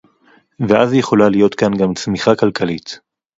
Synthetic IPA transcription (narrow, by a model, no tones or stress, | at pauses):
veʔazjeχo̞lalijo̞t̪kanɡamt͡smiχakalkalit̪